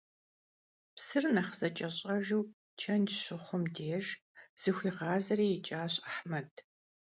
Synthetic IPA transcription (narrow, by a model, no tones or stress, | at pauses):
psɨrnɐχz̥ɐt͡ʃʼɐɕʼɐʒuw | t͡ʃʰɐnd͡ʒɕʊχʷʊmdeːʒ | z̥ɨxʷiːʁɑːzɐriːjɪt͡ʃʼaːɕaħmɐdʰ